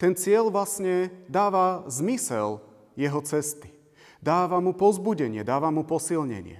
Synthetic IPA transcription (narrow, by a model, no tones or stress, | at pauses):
t̪ɛnt͡sɪɛlʋlasɲɛd̪aːʋazmisɛ̰l | jɛɦɔt͡sɛst̪i̥ | d̪aːʋamupɔzbuɟɛɲɪɛd̪aːʋamupɔsilɲɛ̰ɲɪɛ̰